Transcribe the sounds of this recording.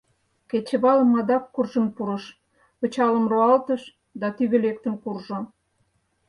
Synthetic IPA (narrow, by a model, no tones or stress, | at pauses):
ket͡ɕə̆βɑlə̆mɑd̪ɑkːurʒəmpuɾə̆ʃ | pə̆t͡ɕɑləmroɑlt̪əʃ | d̪ɑt̪yɣelek̚t̪ə̆mkurʒo